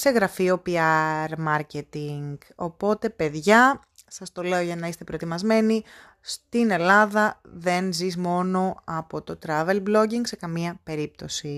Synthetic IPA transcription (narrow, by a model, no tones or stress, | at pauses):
se̞ɣɾɐfio̞piɐɾmɐɾce̞t̪iŋɡ | o̞po̞t̪e̞pe̞ðʝɐ | sɐst̪o̞le̞o̞ʝɐnɐist̪e̞pɾoet̪imɐzme̞ni | st̪ine̞lɐðɐðe̞nzizmo̞no̞ɐpo̞t̪o̞t̪ɾɐve̞lblo̞ɟiŋɡse̞kɐmiɐpe̞ɾip̚t̪o̞si